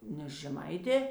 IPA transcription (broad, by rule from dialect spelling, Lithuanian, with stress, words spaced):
ˈnʲɛs ʒʲɛˈmɐɪtʲeː